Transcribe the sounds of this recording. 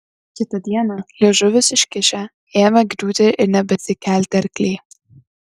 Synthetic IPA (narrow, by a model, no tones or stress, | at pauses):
kʲɪt̪ɐd̪ʲiɛnɐlʲeːʒʊʋʲɪsɪʃkʲɪʃʲæ | eːmɛɡd̪uːt̪ʲɪʔɪɾnʲɛbʲɛsʲɪkʲæːlʲt̪ʲɐɾkʲlʲeː